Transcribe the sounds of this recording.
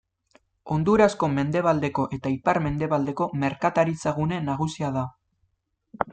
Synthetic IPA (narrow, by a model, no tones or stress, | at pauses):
o̞nd̪uɾasko̞me̞nd̪e̞β̞ald̪e̞ko̞ʔe̞t̪aipaɾme̞nd̪e̞βald̪e̞ko̞me̞ɾkat̪aɾit͡saɣune̞naɣ̞usiað̞a